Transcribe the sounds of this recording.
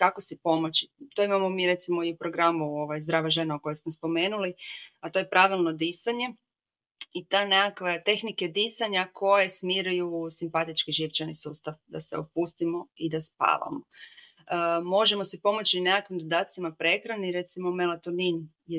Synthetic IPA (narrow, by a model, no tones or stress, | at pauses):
kakosipo̞mot͡ɕit̪oimamo̞miɾe̞t̪simo̞iupɾo̞ɡɾamuoʋajzd̪ɾaːʋaʒe̞nauko̞jesmospo̞me̞ːnuliat̪o̞je̞pɾaʋilˠno̞d̪isaɲe̞ | it̪anekakʋet̪e̞xniked̪isaɲakʰo̞jesmiɾujusimpat̪it͡ʃkiʒiʋt͡ɕanisuːst̪aʋd̪asḛopust̪imo̞id̪aspa̰ːʋa̰mo | mo̞ʒemo̞sipo̞mot͡ɕinekakʋimd̪od̪aːt̪t̪simapɾe̞kɾaniɾe̞t̪simomelat̪onin | j